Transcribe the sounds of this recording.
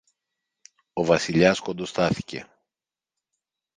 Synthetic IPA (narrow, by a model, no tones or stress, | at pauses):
o̞vɐsiʎɐsko̞nd̪o̞st̪ɐθi̥ce̞̰